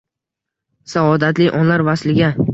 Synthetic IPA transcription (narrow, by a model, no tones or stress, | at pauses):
saɒd̪at̪lɪʔɒnlaɾvaslɪɡʲa